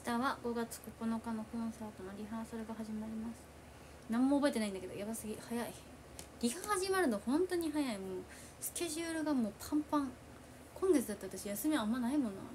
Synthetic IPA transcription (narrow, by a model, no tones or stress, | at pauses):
ɕt̪aβaɡo̞ɡat͡sɨ̥ko̞ko̞no̞kano̞kõ̞ɰ̃saːt̪o̞noɾʲiɦaːsaɾɯ̟ɡaɦaʑimaɾʲimasɨ̥ | nãmːoːbo̞et̪eaĩnd̪ake̞d̪o̰jabasɨɡʲihajai | ɾʲiɡahaʑimaɾɯ̟nohõ̞nt̪o̞ɲ̟iɦajaimoː | sɨ̥kʲe̞ʑɯːɾɯ̟ɡamo̞ːpʰãmpãŋ | kõ̞ŋɡ̪et͡sɨd̪at̪ːe̞at̪aɕijasɨmʲiaamːanaimõ̞no̰